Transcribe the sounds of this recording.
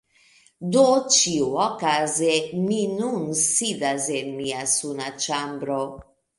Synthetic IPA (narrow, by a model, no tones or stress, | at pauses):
d̪ot͡ʃiuɔkazeminunsidazemiasunat͡ʃambɾo